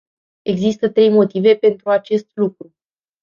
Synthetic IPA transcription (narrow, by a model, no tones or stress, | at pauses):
e̞ɡzist̪ət̪ɾe̞jmo̞t̪ive̞pe̞nt̪ɾuat͡ʃe̞st̪lukɾu